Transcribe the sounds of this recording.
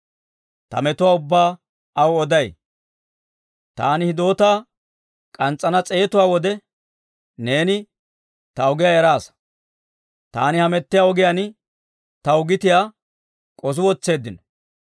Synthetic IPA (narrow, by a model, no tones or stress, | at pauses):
t̪ɐ̰mɛt̪ʊwaːʊbːaː | ɐwɔd̪ɐj | t̪aːnɪhɪd̪o̞ːt̪aː | kʼɐnt͡sʼːɐnɐt͡sʼe̞ːt̪ʊwaːwɔd̪ɛ | ne̞ːnɪ | t̪ɐɔɡɪjaɛɾaːs | t̪aːnɪhɐmɛt̪ːɪjaɔɡɪjanɪ | t̪ɐwʊɡɪt̪ɪjaː | kʼɔs̬ʊwɔt͡sːe̞ːd̪ːɪnɔ̥